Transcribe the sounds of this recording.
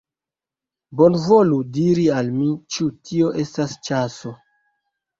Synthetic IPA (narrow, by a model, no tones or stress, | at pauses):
bo̞nvoludiɾialmit͡ʃutʰio̞ʔe̞stast͡ʃaso̞